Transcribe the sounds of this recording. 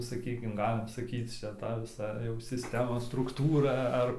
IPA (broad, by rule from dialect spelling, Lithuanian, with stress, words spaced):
sɐˈkʲiːkʲɪm ˈɡɑːlʲɪm sɐˈkʲiːt͡s ˈt͡ʃʲɛ ˈtɐ ʋʲɪˈsɐ jɛʊ sʲɪsʲˈtʲæːmoːs strʊkˈtuːrɐ ˈɐr